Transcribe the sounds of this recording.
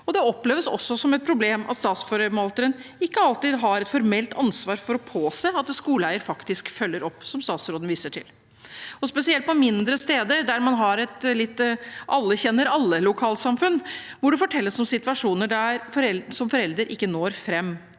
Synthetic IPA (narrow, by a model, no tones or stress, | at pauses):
ɔd̪ɛɔpleːʋəsɔ̰sːɔsɔmɛt̪̚pʰɾʊbleːmʔɑ̰t̪st̪ɑːt̪sfɔɾəmɑlt̪əɾənɪkːəɑlt̪ɪːd̪ɦɑɾɛt̪fɔɾmɛlt̪ʰɑnsʋɑːɾfɔɾɔpʰoːseːɑt̪skuːlæɪəɾfɑkt̪ɪskfœlːəɾɔpːsɔmst̪ɑːt̪sɾoːd̪n̩ʋiːsəʈʰɪ̰l | ɔspɛsɪɛlt̪pɔmɪnd̪ɾəst̪eːd̪əɾd̪æɾmɑnɦɑɾɛt̪lɪt̪ːʔɑlːəçɛnːəɾɑlːəlʊkʰɑːlt̪sɑmfʉnːʋɔɖʉfɔʈʰɛlːəsɔmsɪt̪ʋɑʂuːnəɖæɾfɔɾɛsɔmfɔɾɛld̪əɾʔɪkːənoːɾfɾɛmː